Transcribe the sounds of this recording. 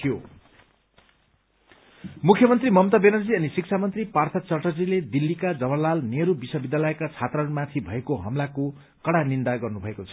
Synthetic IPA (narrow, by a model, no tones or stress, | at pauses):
ijo | mukʰjʌmʌnt̪rimʌmt̪ʌbenʌd͡ziʌnisik̚t͡sʰamʌnt̪ripart̪ʰʌt͡sʌʈʌd͡ziled̪ilːikad͡zʌbʌrlalneɾubiswʌbid̪ːalʌekat͡sʰat̪rʌnmat̪ʰibʱʌekoɦʌmlako | kʌɽanind̪aɡʌrnubʱʌekot͡sʰʌ